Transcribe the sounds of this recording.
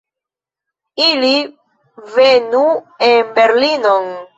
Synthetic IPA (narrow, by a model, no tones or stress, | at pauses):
ili | venu | enbeɾlinon